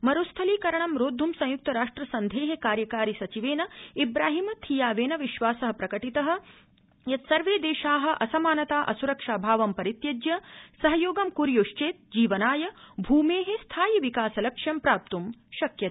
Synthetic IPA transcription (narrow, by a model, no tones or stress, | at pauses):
mɐɾust̪ʰɐliːkɐɾɐɳɐmɾoːd̪ʱːumsɐ̃juk̚t̪ɐɾaːʂʈɾɐsɐnd̪ʱeːɦekaːɾjɐkaːɾisɐt͡ʃiʋeːnɐibɾaːɦimɐt̪ʰijaːʋeːnɐʋiʃʋaːsɐɦɐ̆pɾɐkɐʈit̪ɐɦɐ̆ | jɐt̪sɐɾʋeːd̪eːʃaːɦɐ̆ʔɐsɐmaːnɐt̪aːʔɐsuɾɐkʂaːbʱaːʋɐmpɐɾit̪jɐd͡ʒjɐsɐɦɐjoːɡɐmkuɾjoːʃt͡ʃeːt̪̚d͡ʒiːʋɐnaːjɐbʱuːmeːɦest̪ʰaːjiʋikaːsɐlɐkʂjɐmpɾaːp̚t̪umʃɐkjɐt̪ː